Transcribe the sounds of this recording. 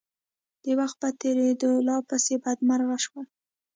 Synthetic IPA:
d̪̥ewaxt̪̚pat̪eɾed̪əlɑpasebad̪maɾɣaʃwa

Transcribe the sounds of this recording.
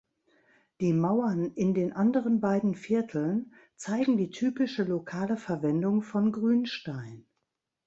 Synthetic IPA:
d̥iːmaʊɐnʔɪndeːnʔandəʁ̞ənbaɪdn̩fɪɐtʰl̩n | t͡saɪɡŋ̩diːtʰyːpɪʃəlokʰaːləfɛɐvɛndʊŋfɔnɡʁyːnʃtaɪn

